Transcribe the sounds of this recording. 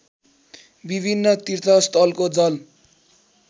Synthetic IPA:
bibʱinːʌt̪irt̪ʰʌst̪ʰʌlkod͡zʌl

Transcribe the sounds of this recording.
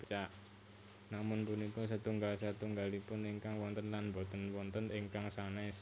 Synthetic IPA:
b̥i̥t͡ʃaʔ | namʊnpʊnikɔs̬ət̪uŋɡalsat̪uŋɡalipʊniŋkaŋwɔnt̪ənlanmbot̪ənwɔnt̪ənɪŋkaŋsanɛs

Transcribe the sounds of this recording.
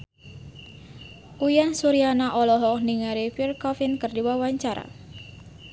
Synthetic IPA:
ʔujansuɾianaʔɔlɔɦɔk̚niŋaɾipirkɔfinkərdiwawaɲt͡ʃaɾa̰

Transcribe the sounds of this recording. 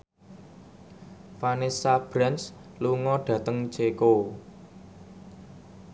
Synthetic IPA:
fanesab̥ɾansluŋɔɖ̥ä̤t̪əŋt͡ʃeko

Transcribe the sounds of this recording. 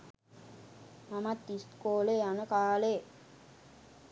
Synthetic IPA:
mamat̪ːist̪koːlejanəkaːle

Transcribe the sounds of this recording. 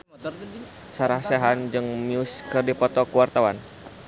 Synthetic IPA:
saɾahseɦand͡ʒɨŋmiuskərdipɔt̪ɔkuwart̪awan

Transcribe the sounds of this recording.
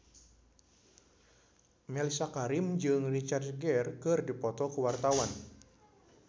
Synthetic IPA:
mɛlisakaɾimd͡ʒɨŋrit͡ʃard̪ɡɛrkɨrdipɔt̪ɔkuwart̪awan

